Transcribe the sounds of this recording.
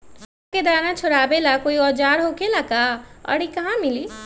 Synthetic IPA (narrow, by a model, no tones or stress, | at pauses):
ked̪aːnãt͡ʃʰʊɽaːbelakoːiɔːd͡ʒaːɾɦokelakaə̰ɽikaɦãmɪli